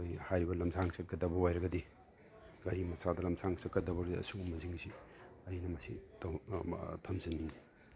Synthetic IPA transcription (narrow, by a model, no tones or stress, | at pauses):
ojhajɾibɐlɐmsʰaŋsʰɐkːɐdɐbɐwajɾɐɡɐdi | ɡɐɾimɐsadɐlɐmsʰaŋsɐkːɐdɐbɐɾdiɐ̰suŋumːɐziŋziɐjinɐmɐsit | tʰɐmzɐnːi